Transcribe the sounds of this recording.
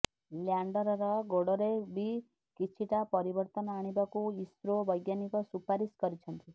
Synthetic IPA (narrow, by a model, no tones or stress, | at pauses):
ljaɳɖɔɾɔɾɔɡoɽɔɾebʱi | kit͡ʃʰiʈapɔɾibɔɾt̪ɔnɔaɽ̃ibakuisɾobɔjɡjanikɔsupaɾiskɔɾit͡ʃʰɔnt̪i